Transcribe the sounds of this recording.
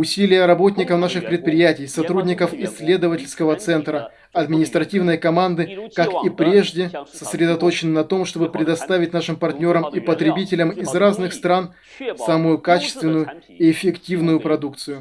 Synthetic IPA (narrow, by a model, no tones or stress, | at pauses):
ʊsʲilʲɪjəɾɐbo̞tʲnʲɪkəfnaʂɨxpɾʲɪt̪̚pɾʲɪjætʲɪjsɐt̪ɾudʲnʲɪkəfɪsʲːlʲe̞d̪əvətʲɪlʲskəvət̪sɛnt̪ɾə | ɐd̪mʲɪnʲɪst̪ɾɐtʲivnəjkɐmand̪ɨkakipɾʲe̞ʐdʲɪsəsɾʲɪd̪ɐt̪o̞t͡ɕɪnːɨnɐt̪o̞mʂt̪o̞bɨpɾʲɪd̪ɐst̪avʲɪt̚ʲnaʂɨmpɐrtʲnʲo̞ɾəmipət̪ɾʲɪbʲitʲɪlʲəmɪzraznɨxst̪ɾan | saməjʊkat͡ɕɪ̥st̪vʲɪnːʊjʊ | iɪfʲɪktʲivnʊjʊpɾɐd̪uk̚t̪sɨjʊ